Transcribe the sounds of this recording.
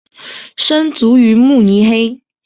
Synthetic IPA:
ʂə˥nt͡su˨˧˥y˧˥mu˥˩ni˧˥xe˥ɪ

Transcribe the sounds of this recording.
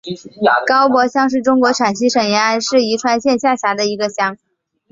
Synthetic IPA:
kɑ˥ʊpwɔ˧˥ɕjɑ˥ŋʂɻ̩˥˩ʈ͡ʂʊ˥ŋkwɔ˧˥ʈ͡ʂʰa˨˩nɕi˧˥ʂɤ˨˩ŋjɛ˧˥na˧˥ɪʂɻ̩˥˩i˧˥ʈ͡ʂʰwa˥˧ɪɕjɛ˥˧nɕja˥˩ɕja˧˥d̪ə˧i˧˥ɡə˧ɕjɑ˥ŋ

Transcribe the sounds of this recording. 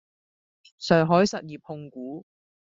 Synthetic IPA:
sœː˨˩ɦɔː˨˥jsɐ˨t̚jiː˨p̚hʊ˧ŋkuː˨˥

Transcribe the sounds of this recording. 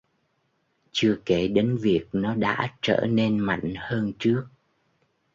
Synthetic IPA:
t͡ɕɨ˧əke˧˩ɗe˨˦nvi˨˩ək̚nɔ˨˦ɗa̰ː˧˥t͡ɕə̰ː˧˩ne˧nma̰˧˨jŋ̟həː˧nt͡ɕɨ˦˥ək̚

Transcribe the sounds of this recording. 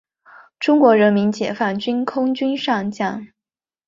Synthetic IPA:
ʈ͡ʂʊ˥ŋkwɔ˧˥ɻə˧˥nmi˧˥nt͡ɕjɛ˨˩fa˥˩nt͡ɕy˥nkʰʊ˥ŋt͡ɕy˥nʂɑ˥˧ŋt͡ɕja˥˩ŋ

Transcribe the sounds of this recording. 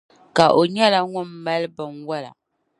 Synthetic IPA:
ka˨ʔo˨ɲɛ˦la˦ŋʊ˦m˦ma˦lɨ˦bɨ˨nwa˦la̰˨

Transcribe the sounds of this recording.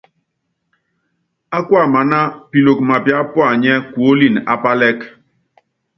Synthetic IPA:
a˦kwa˦˨ma˨na˦pi˨lo˨k̚ma˨pja˨˦pwa˦˨ɲɛ˦kwo˦li˦˨na̰˦pa˦lɛ˦k

